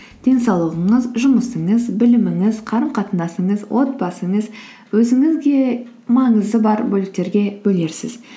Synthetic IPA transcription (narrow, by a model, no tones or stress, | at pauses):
d̪̥e̞nsɑwlˠəʁəɴəzʒʊməsəɴəzbɪlɪmɪŋɪzqʰɑɾəmqɑt̪ənd̪ɑsəɴəzwʔo̞t̪̚bɑsəɴəz | wɵzɪŋɪzɡʲe̞ | mɑɴəzd̪əbɑɾbɵlɪk̚t̪e̞ɾɡʲe̞bɵle̞ɾsɪ̰z